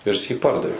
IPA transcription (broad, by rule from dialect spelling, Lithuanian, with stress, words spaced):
ɪr jɪs jiː ˈpɐrdɐʋʲeː